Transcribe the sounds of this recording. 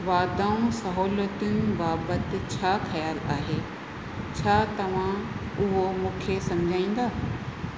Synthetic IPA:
ʋaːd̪aːũsɐɦoːlət̪iũbaːbət̪ɪ̆t͡ɕʰaːxɐjaːlaːɦe | t͡ɕʰaːt̪ɐʋ̤ã | ʊɦomũːkʰesɐ̃md͡ʑʱaːĩːn̆d̪aː

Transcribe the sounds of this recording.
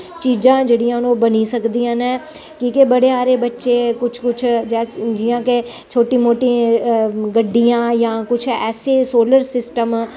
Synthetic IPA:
t͡ʃiːd͡ʒãːd͡ʒeɽijãʊnobənisəkd̪ijãːnɛ̃ː | kiːkebɐɽeaːɾebɐtːʃekʊt͡ʃʰkʊt͡ʃʰd͡ʒɛːd͡ʒɪjãːke | t͡ʃʰoːʈimoːʈi | ɡəɖːijãːjãːkʊt͡ʃʰɛ̰ːsesoːləɾsɪsʈəm

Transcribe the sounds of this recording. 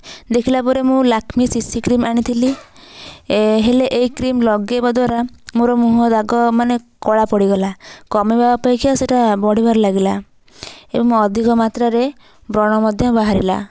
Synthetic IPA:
d̪ekʰilapɔɾemũlakʰmisisikɾimaɽ̃it̪ʰili | ɦeleʔeikɾimlɔɡebad̪waɾa | moɾɔmuɦɔd̪aɡɔmanekɔɭapɔɽiɡɔlakɔmibabapajkiaseʈabɔɽibaɾɔlaɡila | ḛbɔŋũɔd̪ʱikɔmat̪ɾaɾe | bɾɔɽ̃ɔmɔd̪ʱjɔbaɦaɾḭla̰

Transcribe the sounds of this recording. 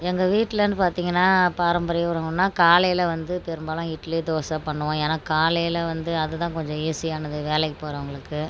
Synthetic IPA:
ɛŋɡɐʋiːʈːɪlɐnːɯpaːɾt̪iːŋɡɐnːaːpaːɾɐmbɐɾɐjɐʋɐɾɐŋɡnːaːkaːlɐjɪlɐʋɐnd̪ɯpɛɾɯmbaːlɐ̃ɪʈlid̪oːsaːpɐɳːɯʋõeːnaːkaːlɐjɪlɐʋɐnd̪ɯɐðɯt̪ãːkɔɲd͡ʒɔ̃eːsɪjaːnɐðɯʋeːlɐɛkːɯpːoːɾɐʋɐŋɡɐɭɯkːɯ

